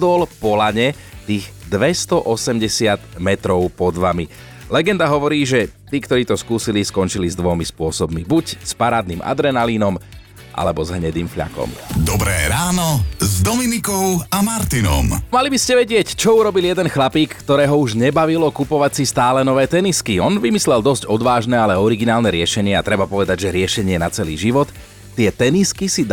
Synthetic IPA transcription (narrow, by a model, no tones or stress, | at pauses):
d̪ɔlpɔlaɲɛ | t̪iːɣd̪ʋɛst̪ɔʔɔsɛmɟɛsɪad̪mɛt̪ɾɔʊpɔd̪ʋami | lɛɡɛnd̪aɦɔʋɔɾiːʒɛt̪iːkt̪ɔɾiːt̪ɔskuːsiliskɔnt͡ʃilizd̪ʋɔmispʊɔsɔbmibucspaɾaːd̪niːmʔa̰d̪ɾɛnalinɔm | ʔa̰lɛbɔzɦɲɛd̪iːmfʎa̰kɔ̰md̪ɔbɾɛ̰ːɾaːnɔzd̪ɔminikɔʊamaɾt̪inɔ̰mmalibiscɛʋɛɟɪɛct͡ʃɔuɾɔbiljɛd̪ɛnxlapiːkkːt̪ɔɾɛːɦɔuʒɲɛbaʋilɔkupɔʋacsist̪aːlɛnɔʋɛːt̪ɛniskiɔnʋimislɛld̪ɔscɔd̪ʋaːʒnɛalɛɔɾiɡinaːlnɛɾɪɛʃɛɲɪɛat̪ɾɛbapɔʋɛd̪aɟʒɛɾɪɛʃɛɲɪɛnat͡sɛliːʒiʋɔt̪ː | ɪɛt̪ɛniskisid̪